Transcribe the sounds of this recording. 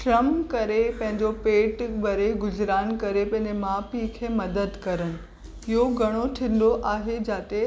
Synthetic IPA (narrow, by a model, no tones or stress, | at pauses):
ʃɾɐmkɐɾepɐ̃ɦɪ̃ɲd͡ʑopeːʈbɐɾeɡʊzɾaːnkɐɾepɐ̃ɦɪ̃ɲd͡ʑemaːpikʰeːmɐd̪əd̪kɐɾəɽ̃ɪ̆ | ɪɦoɡʱɐɽ̃oʈʰɪ̃n̆d̪oʔaːɦed͡ʑaːt̪e